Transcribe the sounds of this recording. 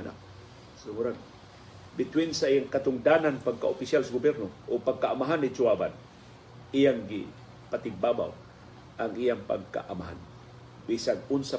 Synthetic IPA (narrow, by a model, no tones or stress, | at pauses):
na̰k̚ | sʊmuɾan | bɪt̪wɪnsaʔijaŋkat̪ʊŋd̪ananpaɡ̚ka̰ʔʊpɪsjalsaɡʊbjɛɾnoʔʊpaɡ̚kaʔamaɦanːɪd͡ʒʊwaba̰n | ijaŋɡɪ | pat̪ɪɡ̚baːba̰w | ʔaŋʔijaŋpa̰ɡ̚ka̰ʔamaɦa̰n | bisanʊnsa